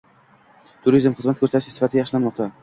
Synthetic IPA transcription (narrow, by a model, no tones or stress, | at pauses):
t̪ʰʊɾizmχɨzmat̪kʰɵɾsaɾɪʃʰɪsɪ̥fat̪ʰɪajɑχʃlanmɒq̚t̪ʰa